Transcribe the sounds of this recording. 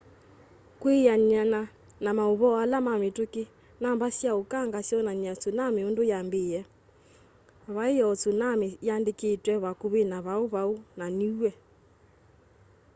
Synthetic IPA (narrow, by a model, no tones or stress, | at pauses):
kwejaɲana | namaoβɔalamametoke | nambasjaokaŋɡasjɔnaɲat͡sonameondojambejɛ | βaejɔɔt͡sonamejandeketwɛβakoβenaβaoβaonaniwɛ